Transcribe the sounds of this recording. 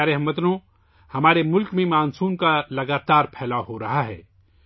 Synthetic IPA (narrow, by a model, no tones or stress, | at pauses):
aːɾeɦmɐt̪nõ | hɐmaːɾemʊlkmẽmaːnsuːnkalɐɡaːt̪aːɾpʰɛːlaɦoɾɐɦaɦɛ̰ː